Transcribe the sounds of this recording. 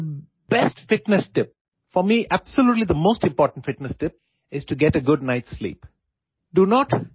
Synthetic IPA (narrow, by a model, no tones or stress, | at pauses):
b̥ɛsʈfɪʈnɛsʈɪp̚ | fɔmiʔæb̥səljuːʈlid̪əmoːsʈɪ̃mpɔːʈə̃n̩ʈfɪʈnəsʈɪp̚ | ɪz̥ʈuɡɛʈəɡʊɖnaɪʈslḭːp | ɖunɔːʈ